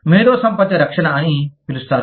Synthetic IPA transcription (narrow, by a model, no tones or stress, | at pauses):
meːɾoːsɐmpɐt̪ːiɾɐkʂɐɳɐɐnipilust̪aːɾu